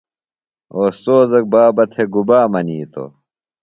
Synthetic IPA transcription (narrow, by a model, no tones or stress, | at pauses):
oːst̪oːzɐk̚baːbɐt̪ʰeɡubaːmɐniːt̪ʰo̰